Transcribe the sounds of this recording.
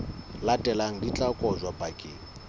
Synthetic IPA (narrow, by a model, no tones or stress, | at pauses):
latʼɛlaŋ̩dit͡ɬʼakʼɔzwapʼakʼɪː